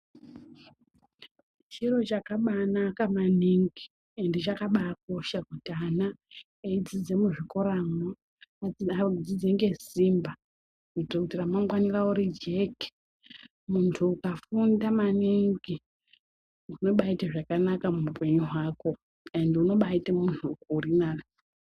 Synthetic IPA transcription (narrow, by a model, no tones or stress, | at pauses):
t͡ʃiro̞t͡ʃakaɓanakamaniŋɡi | endit͡ʃakaɓak̚o̞ʃakutana | eid͡zid͡ze̞muʐiko̞ɾamo | ad͡zid͡zeŋɡe̞zimba | utokutiramamwanirauɾid͡ʒe̞ki̥ | muntʰuːkafundamaniŋɡi | uno̞ɓaitaʐakanakamumupe̞ɲuɦaːko̞ | e̞nduno̞ɓaitemuntʰukuːrina